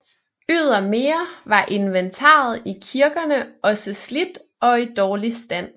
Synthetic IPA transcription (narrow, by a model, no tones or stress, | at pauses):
yð̞̰ˠɐme̝ːɐʋɑ̈ʔe̝nʋent͡sʰɑ̰̈ːð̞̩ˠikʰiɐɡ̥ɐnəɒ̽səslid̥ | ɒ̽id̥ɒːlisd̥æn̰